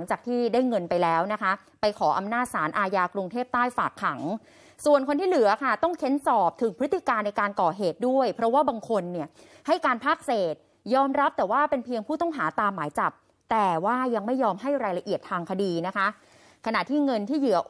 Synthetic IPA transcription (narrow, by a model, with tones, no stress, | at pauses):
ŋt͡ɕaː˨˩k̚t̪ʰiː˥˩daː˥˩jŋɤ˧npa˧jlɛː˦˥wna˦˥kʰa˦˥ | pa˧jkʰɔː˩˦ʔa˧mnaː˥˩t̪̚saː˩˦nʔaː˧jaː˧kɾu˧ŋt̪ʰeː˥˩p̚t̪aː˥˩jfaː˨˩kʰːa˩˦ŋ | su˨˩ənkʰo˧nt̪iː˥˩lɯ˩˦ɐkʰa˥˩t̪ɔ˥˩ŋkʰe˦˥nsɔː˨˩p̚t̪ʰɯ˨˩˦ŋpʰɾɯ˦˥t̪ːi˨˩kaː˧nːa˧jkaː˧nkɔː˨˩ɦeː˨˩t̪̚du˥˩əjpʰɾɔ˦˥waː˥˩baː˧ŋkʰo˧nːi˥˩ɐ | ha˥˩jkaː˧npʰaː˥˩k̚seː˨˩t̪̚ | jɔː˧mɾa˦˥p̚t̪ɛː˨˩waː˥˩pe˧npʰi˧əŋpʰuː˥˩t̪ɔ˥˩ŋɦaː˩˦t̪aː˧mːaː˩˦jt͡ɕa˨˩p̚ | t̪ɛː˨˩waː˥˩ja˧ŋma˥˩jːɔː˧mɦa˥˩jɾaː˧jla˧ʔi˨˩ət̪ʰːaː˧ŋkʰa˧diː˧na˦˥kʰa˦˥ | kʰa˧na̰˨˩t̪ʰiː˥˩ŋɤ˧nt̪ʰiː˥˩jɯ˩˦ɐʔ